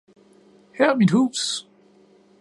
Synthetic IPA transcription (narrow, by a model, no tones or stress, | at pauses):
hɛɐmid̥huːs